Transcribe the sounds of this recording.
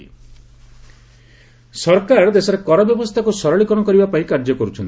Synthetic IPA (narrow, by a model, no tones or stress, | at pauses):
sɔɾkaɾd̪esɔɾekɔɾabjɔbɔst̪ʰakusɔɾɔɭikɔɽ̃ɔkɔɾibapaĩkaɾd͡ʒɔkɔɾut͡ʃʰɔnt̪